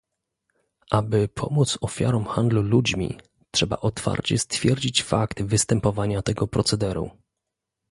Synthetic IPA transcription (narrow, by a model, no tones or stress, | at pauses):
ʔabɘpʰɔ̰mut̪sɔfʲja̰ɾɔmxand̪lulud͡ʑmʲḭ | tʂɛba̰ʔɔt̪fa̰ɾt͡ɕɛst̪fʲjɛɾd͡ʑit͡ɕfakt̪vɘst̪ɛmpɔvaɲat̪ɛɡɔpɾɔt̪sɛd̪ɛɾṵ